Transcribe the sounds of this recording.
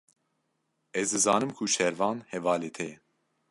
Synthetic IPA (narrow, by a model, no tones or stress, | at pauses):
ɛzd̪ɨzɑːnɨmkʰuʃɛɾvɑːnhɛvɑːleːt̪ʰɛjɛ